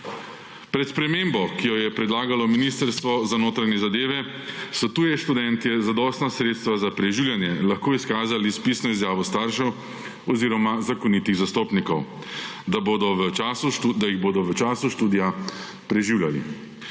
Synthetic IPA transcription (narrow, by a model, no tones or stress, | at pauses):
pɾɛt̪spɾɛmeːmbɔkijɔjɛpɾɛd̪laːɡalɔminiːst̪əɾst̪ʋɔzanoːt̪ɾanɛzad̪eːʋɛ | sɔt̪uːjɛʃt̪ud̪ɛnt̪iɛzad̪ɔːst̪nasɾeːt̪st̪ʋazapɾɛʒiwljanjɛlaxkoːiskaːzalispiːsnɔizjaːʋɔst̪aɾʃɛw | ɔziːɾɔmazakɔnit̪iɣzast̪oːpnikɔw | d̪abod̪ɔʋəasuud̪ajiɣboːd̪ɔʋət͡ʃaːsuʃt̪uːd̪ija | pɾɛʒiwljalḭ